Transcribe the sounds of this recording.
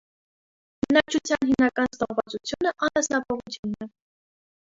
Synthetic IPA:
ɡənɑk̚t͡ʃʰut͡sʰjɑnɦimnɑkɑnsnɔʁvɑt͡sut͡sʰjunəʔɑnɑsnɑpʰɔʁut͡sʰjunːɛ

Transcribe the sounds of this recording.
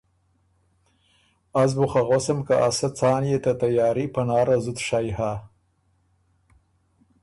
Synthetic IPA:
azbuxaɣosamkaʔasat͡sɑːnjet̪at̪ajɑːɾipanɑːɾazʊt̪ʂajɦa

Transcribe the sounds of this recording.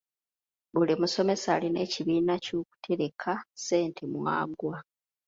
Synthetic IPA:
bulimuso̞me̞saːline̞ːciβiːnacuːku̥tʰe̞ɾe̞kʰase̞ːntʰe̞mwa̰ːɡwa

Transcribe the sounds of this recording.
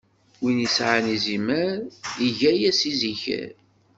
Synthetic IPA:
winisʕanizimæɾiʝæjæsiziçæ̰ɾ

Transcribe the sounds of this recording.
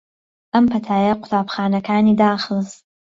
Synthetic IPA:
ɐmpʰɐtʰaːjɐqʷʊ̥taːbχaːnɐkʰaːniːdaːχəlz

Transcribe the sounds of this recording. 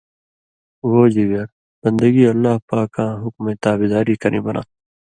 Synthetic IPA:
woːd͡ʒiɡɐɾ | bɐnd̪əɡiːɐlːaːhpaːkãːɦʊkmẽːt̪aːbid̪aːɾiːkɐɾʔḭ̃ːbɐna̰ː

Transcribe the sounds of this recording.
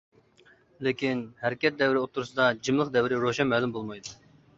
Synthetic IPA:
lɪkʲinhæɾɪkʲɛt̪̚d̪ɛwɾɪot̪ʰːuɾusɨd̪ɑd͡ʒimlˠəqd̪ɛwɪɾɪɾoʃɛnmɛlˠɪmbolˠmɑjd̪u

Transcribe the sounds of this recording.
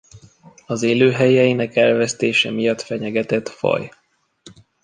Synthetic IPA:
ɒzeːløːɦɛjɛjinɛkɛlvɛst̪eːʃɛmijɒt̪fɛɲɛɡɛt̪ɛt̪fɒ̰j

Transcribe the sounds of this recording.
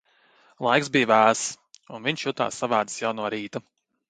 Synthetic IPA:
lˠajksbijvæːs | unviɲʃjut̪a̰ːsːavæːd̪ɨ̥sjawnuɔɾiːt̪u

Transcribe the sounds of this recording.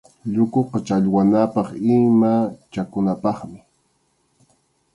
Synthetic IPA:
ʎʊkoqɑt͡ʃaʎwanapɑχɪmat͡ʃakʊnapɑχmɪ

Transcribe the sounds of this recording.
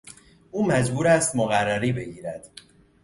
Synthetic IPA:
ʔuːmæd͡ʒbuːɾæst̪moɣærːæɾiːbe̞ɡiːɾæd̪̥

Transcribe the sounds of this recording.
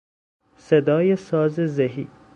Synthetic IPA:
sed̪ɔːjesɔːzezeɦḭː

